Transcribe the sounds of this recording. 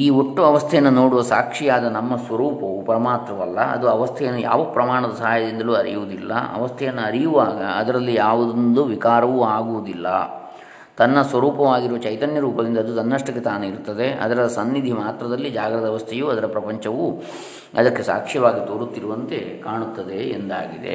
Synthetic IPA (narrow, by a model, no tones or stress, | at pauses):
iːoʈːuɐʋɐst̪ʰɛjɐnːɐno̞ːɽuʋɐsa̰ːkʂijaːd̪ɐnɐmːɐsʋɐɾuːpɐʋupɐɾɐmaːt̪ɾɐʋɐlːɐ̰ɐ̰d̪uɐʋɐst̪ʰɛjɐnːuja̰ːʋɐpɾɐmaːɳɐd̪ɐsɐɦaːjɐd̪ind̪ɐluːɐɾḭjuʋud̪ilːɐ̰ɐ̰ʋɐst̪ʰɛjɐnːuɐɾijuʋaːɡɐ̰ɐd̪ɐɾɐlːijaːʋud̪ond̪uʋikaːɾɐʋuaːɡuʋud̪ilːɐ̰ | t̪ɐnːɐsʋɐɾuːpɐʋaːɡiɾuʋɐt͡ʃɐjt̪ɐnjɐɾuːpɐd̪ind̪ɐːd̪ut̪ɐnːɐʂʈɐkːet̪aːneiɾt̪ːɐd̪e̞ɐ̰d̪ɐɾɐsɐnːid̪ʱimaːt̪ɾɐd̪ɐlːid͡ʒaːɡɾɐd̪ɐʋɐst̪ʰejuːɐd̪ɐɾɐpɾɐpɐɲt͡ʃɐʋu | ɐd̪ɐkːe̞sa̰ːkʂijɐʋaːɡit̪oːɾut̪ːiɾuʋɐnt̪e̞kaːɳut̪ːɐd̪e̞̰ːnd̪a̰ːɡid̪e̞̰